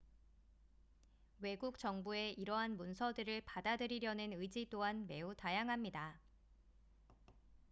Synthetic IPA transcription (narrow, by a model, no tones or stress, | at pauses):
we̞ɡuk̚t͡ɕʌŋbue̞iɾʌɦanmunsʰʌdɯɾɯɭpadadɯɾiɾjʌnɯnɯid͡ʑit͈oɦanme̞utajaŋɦamɲida